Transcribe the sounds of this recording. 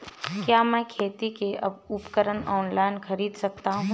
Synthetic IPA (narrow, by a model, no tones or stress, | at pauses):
kjaːmɛ̃kʰeːt̪ikeɐ̰bupkəɾənɔːnlaːɪnxɐɾiːd̪sɐk̚t̪aɦũː